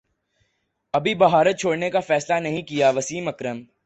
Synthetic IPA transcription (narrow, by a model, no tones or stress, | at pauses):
ɐbʱibɐɦaːɾət̪̚t͡ʃʰoːɽnekafɛːslanɐɦĩkijaʋɐsiːmɐkɾəm